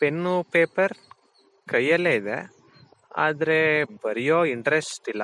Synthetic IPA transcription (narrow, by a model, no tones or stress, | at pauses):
pe̞nːupeːpɐɾ | kɐjːɐlːe̞ːid̪ḛ | a̰ːd̪ɐɾe̞bɐɾijoːiɳʈɐɾesʈilːɐ